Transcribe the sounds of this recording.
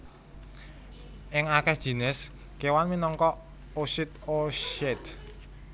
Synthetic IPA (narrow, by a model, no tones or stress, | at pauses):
ʔɪŋakɛhd̥ʒ̥i̤nɪs | kewanminɔŋkɔʔ | oʃɪt̪̚oʃɛt̪